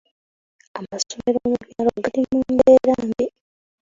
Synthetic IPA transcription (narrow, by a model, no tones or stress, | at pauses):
amaso̞meɾoːmuvjaːloɡaɾimuːndeːɾaːmbi